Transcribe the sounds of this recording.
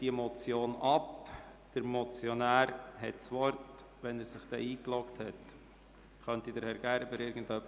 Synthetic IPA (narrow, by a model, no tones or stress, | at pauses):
d̥imɔt͡sjoːnɑpd̥əɾmɔt͡sjɔnæːɾɦɛ̰tsʋɔɾt | ʋɛnæɾsɪχd̥ɛiːklɔkthɛt | χœntid̥əɾhɛɾɡ̥ænbəɾɪɾɡən̩dœpː